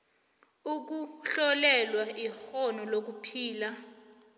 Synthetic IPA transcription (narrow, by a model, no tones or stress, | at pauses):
uk̬uɬɔlɛlwaʔixɔnɔlok̬upʰiːla